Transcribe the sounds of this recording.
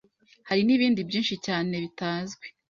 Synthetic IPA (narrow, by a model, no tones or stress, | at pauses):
haɾiniβiːndibjiːnʃicaːne̞βitaːzɡwe̞